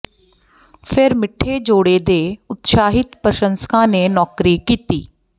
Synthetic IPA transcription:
pʰɪɾmɪʈʰːeːd͡ʒoːɽeːd̪eːʊt̪ʃaːɦɪt̪pəʃənskãːneːnɔːkɾiːkiːt̪ḭː

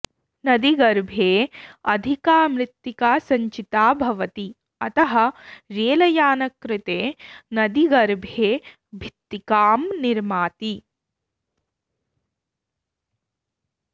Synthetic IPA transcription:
nɐd̪iɡɐɾbʱeːɐd̪ʱikaːmɾɪt̪ːikaːsɐɲt͡ʃit̪aːbʱɐʋɐt̪i | ɐt̪ɐɦɐɾeːlɐjaːnɐkɾɪt̪eːnɐd̪iɡɐɾbʱeː | bʱit̪ːikaːmniɾmaːt̪i

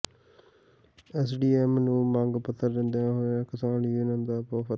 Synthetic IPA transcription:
ɛːs̬ɖiːɛːmnũːmãŋɡpət̪ːəɾːɪ̃nd̪jãːɦoːaːkɪsaːnjuːnənd̪aːpoːpə

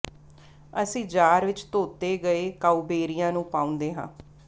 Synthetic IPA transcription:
əsĩːd͡ʒaːɾʋɪt͡ʃt̪oːt̪eːɡəeːkaːuːbeːɾijãːnũːpãːʊ̃nd̪eːɦã̰ː

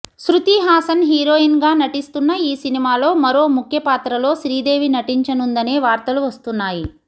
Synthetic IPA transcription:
sɾut̪iɦaːsɐnɦiːɾo̞ːinɡaːnɐʈist̪unːɐiːsinimaːlo̞ːmɐɾo̞ːmukʰjɐpaːt̪ɾɐlo̞ːʃɾiːd̪e̞ːʋinɐʈiɲt͡ʃɐnund̪ɐne̞ːʋaːɾt̪ɐluʋɐst̪unːaːji

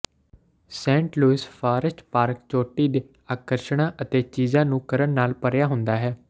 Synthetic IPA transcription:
sɛ̃ːɳʈluːɪspʰaːɾəʃʈpaːɾk̚t͡ʃoːʈiːd̪eː | aːkəɾʃɽ̃ãːʔət̪eːt͡ʃiːzãːnũːkəɾəɳnaːlpəɾjaːɦʊnd̪aːɦɛː

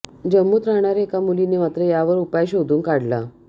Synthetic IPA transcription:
d͡ʑəmːuːt̪ɾaɳ̃aɾekamulinemat̪ɾəjaʋəɾupajɕod̪uːnkaɽla̰

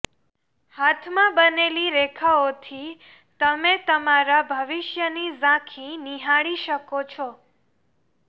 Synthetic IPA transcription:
hat̪ʰmãbəneliɾekʰaot̪ʰi | t̪əmet̪əmaɾabʱəʋiʃjənizãkʰĩniɦaɭiʃəkot͡ʃʰɔ

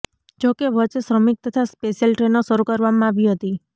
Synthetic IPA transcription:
d͡ʒokeʋət͡ʃsɾəmik̚t̪ət̪ʰaspeʃijəlʈɾenoʃəɾukəɾʋamãaʋiɦət̪i

